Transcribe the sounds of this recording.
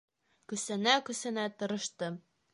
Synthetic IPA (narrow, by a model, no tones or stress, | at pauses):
kɵ̆sɘ̆nækɵ̆sɘ̆næt̪ɤ̆ɾɤ̆ʃt̪ɤ